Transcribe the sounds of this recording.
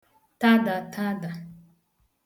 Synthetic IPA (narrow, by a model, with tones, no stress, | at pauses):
ta˦da˨tʰa˦da˨